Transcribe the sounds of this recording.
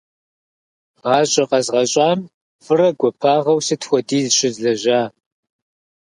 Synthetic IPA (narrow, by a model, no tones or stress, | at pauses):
ʁɑːɕʼɐqɐzʁɐɕʼaːm | fɨrɐɡʷɔpʰaːʁɐwsɨtʰxʷɔdiːzɕʼɪzɮɐʑaː